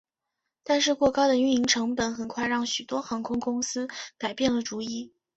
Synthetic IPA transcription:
t̪a˥˧nʂ̬ɻ̩˥˧kwɔ˥˧kɑ˥ʊd̪ə˨y˧˥ni˧˥ŋʈ͡ʂʰɤ˧˥ŋpə˨˥nxə˨˩nkʰwa˥˧ɪɻɑ˥˩ŋɕy˨˩t̪wɔ˥xɑ˧˥ŋkʰʊ˥ŋkʊ˥ŋsɹ̩˥ka˨˩ɪpjɛ˥˩nlə˩ʈ͡ʂu˧˥i˥˩

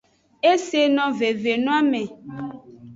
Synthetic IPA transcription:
e˦se˨nɔ̃˨ve˨ve˨nũ˦a˦mẽ˨

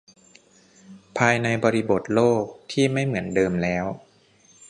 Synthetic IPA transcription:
pʰaː˧jna˧jbɔː˧ɾi˦˥bo˨˩t̪̚loː˥˩k̚t̪ʰiː˥˩ma˥˩jmɯ˩˦əndɤː˧mlɛː˦˥w

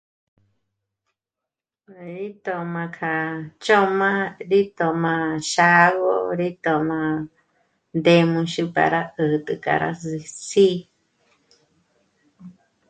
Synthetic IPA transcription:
ɾi˦t̪o˧mã˧kʰa˨t͡ʃo˦mã˦ɾi˦t̪o˨mã˧ʃa˦βo̰˦ɾi˦t̪o˨mã˧ | nd̪e˧mũ˧ʃu˧pa̰˨ɾa˦˧ɨ˨t̪ɨ˧ka̰˨ɾa̰˧si˧si˦

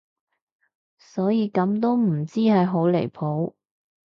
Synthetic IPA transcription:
sɔː˨˥jiː˨˧kɐ˨˥mt̪̬o˥wm̩˨˩t͡siː˥hɐ˨jɦo˨˥wle˨˩jpʰo˨˥w

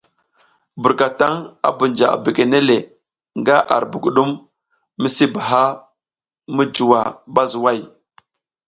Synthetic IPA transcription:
bu˨ɾka˨ta˦ŋa̰˦bu˨nd͡ʒa˨a̰˨bi˨ɡe˨ne˦le˨ | ŋɡa˦ʔa̰˨ɾbu˨ɡu˨ɗu˦m | mi˦si˦ba˨ɦa˦ | mə˦d͡ʒu˨wa˨ba˦zu˨wa˦˨j

